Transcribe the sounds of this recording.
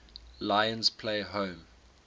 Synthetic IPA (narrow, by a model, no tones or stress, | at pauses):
laɪə̃nspʰleɪɦõʊm